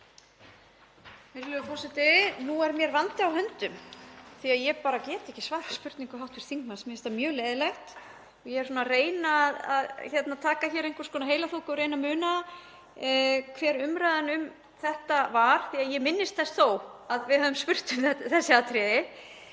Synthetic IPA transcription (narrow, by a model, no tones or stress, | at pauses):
ɪɾlʏʏfɔsɛt̪ɪnuɛɾmjɛɾvant̪ɪawhɦœnt̪ʏmθiaðjɛpaːɾacɛːt̪ɛhcɪsvaːðfḁspʏɾt̪niŋkʏɦawht̪vɪɾ̥θiŋkmansmɛɛst̪amjœːleːðɪlɛxt̪ | ɔjɛɛɾ̥suːnareːjnaːða̰ðçɛt̪nat̪ʰaːkaçɛːɾejŋkʰʏɾ̥skɔːnaɦeːjlaθowkɔɾejnamʏːna | kʰvɛːɾʏmɾajðanʏm | θɛht̪avaɾ̥θiaðjɛmɪnːɪst̪̚θɛst̪θoːwaðvɪðhœðʏmspʏr̥t̪ʏmθɛsːɪat̪ʰɾɛːðɪ